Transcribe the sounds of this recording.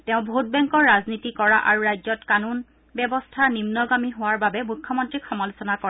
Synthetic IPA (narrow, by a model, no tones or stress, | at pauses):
teʊ̃bʱot̚bɛŋkɔɹːaznitikɔɹaʔaɹuɹajzɔtkanun | bɛbɔstʰanimnɔɡamiɦoaɹbabɛmukʰːɔmɔntɹixɔmɔlusɔnakɔɹa